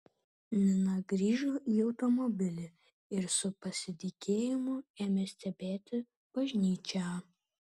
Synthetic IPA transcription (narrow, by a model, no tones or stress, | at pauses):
nʲɪnɐɡɾʲiːʒoːiːɒʊt̪ɔmɔbʲɪlʲɪ | ɪɾsʊpɐsʲɪt̪ʲɪkʲʰeːjɪmʊeːmʲeːsʲt̪ʲɛbʲeːt̪ʲɪ | b̥ɐʒʲnʲiːt͡ʃʲæ